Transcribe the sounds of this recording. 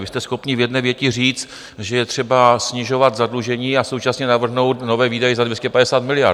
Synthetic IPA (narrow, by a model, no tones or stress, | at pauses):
vɪst̪ɛsxo̞pɲɪvjɛdnɛːvjɛcɪr̝iːt͡st̪ | ʒɛjɛt̪r̝̥ɛbasɲɪʒo̞vat̪zadluʒɛɲiːaso̞wt͡ʃasɲɛnavr̩ɦno̞wt̪no̞vɛːviːdajɛzadvjɛscɛpadɛsaːt̪mɪlɪjaɾ